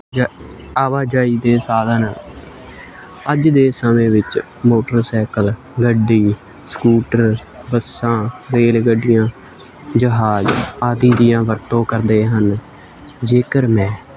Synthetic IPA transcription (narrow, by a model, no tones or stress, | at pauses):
aːʋaːd͡ʒaːiːd̪eːsaːd̪naː | əd͡ʒd̪eːsəmẽːʋɪt͡ʃ | moːʈəɾsɛːkəl | ɡəɖːiː | skuːʈəɾ | bəsːãːɾeːlɡəɖːɪjãː | d͡ʒəɦaːd͡ʒaːd̪iːd̪ɪjãːʋəɾt̪õːkəɾd̪eːɦən | d͡ʒeːkəɾmɛ̃ː